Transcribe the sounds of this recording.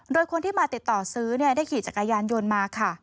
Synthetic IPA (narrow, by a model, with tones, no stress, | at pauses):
doː˧jkʰo˧nt̪ʰiː˥˩maː˧t̪i˨˩t̪ːɔː˨˩sɯː˦˥ni˥˩ɐdaː˥˩jkʰiː˨˩t͡ɕa˨˩kːa˧jaː˧njo˧nmaː˧kʰa˥˩